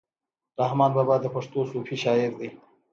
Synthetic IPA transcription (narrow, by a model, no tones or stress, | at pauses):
ɾahmɑːnbɑːbɑːd̪ːəpaʂt̪osufiʃɑːɪɾd̪i